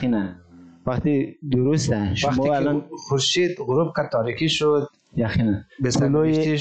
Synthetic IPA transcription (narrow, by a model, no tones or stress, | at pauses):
inanvaqt̪id̪uɾust̪aʃumɔalɔnχuɾʃid̪ʁʊɾub̚kʰad̪̚t̪ʰːɔɾikʰiʃud̪̚ | jaqʰinanbesului